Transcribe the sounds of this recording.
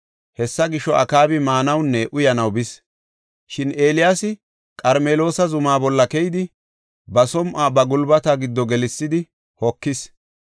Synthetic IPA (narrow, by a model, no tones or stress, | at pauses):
hɛsːɐɡɪʃːɔʔɐ̰kaːbɪmaːnɐwnːɛʔʊjɐnɐwbɪs | ʃɪne̞ːlɪjaːsɪ | kʼɐɾmeːlo̞ːsɐzʊmaːbɔlːɐkɛjɪd̪ɪ | bɐsɔmʔaːbɐɡʊlbɐt̪aɡɪd̪ːɔɡɛlɪsːɪd̪ɪ | hɔkːɪs